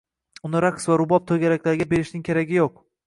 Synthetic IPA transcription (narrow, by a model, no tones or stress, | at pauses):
ʊnɪɾaqsvaɾʊbɒp̚t̪ʰoɡʲaɾakʲlaɾɪɡʲabe̞ɾɪʃnɪŋʲkʲʰeɾaɡʲɪjoq